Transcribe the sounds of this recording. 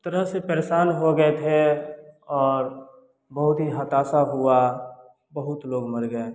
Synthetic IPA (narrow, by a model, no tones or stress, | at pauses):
t̪əɾəɦsepəɾeʃaːnɦoɡəet̪ʰe | ɔːɾ | bəɦʊt̪ɦiɦət̪aːsaɦua | bəɦʊt̪loːɡməɾɡəe